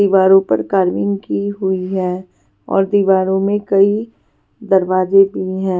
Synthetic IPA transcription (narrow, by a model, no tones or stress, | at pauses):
iːʋaːɾõpɐ̰ɾkaːɾmɪ̃ŋɡkiɦʊiɦɛː | ɔ̰ːɾd̪iːʋaːɾõmẽkɐi | d̪ɐɾʋaːd͡ʒebʱiɦɛ̃ː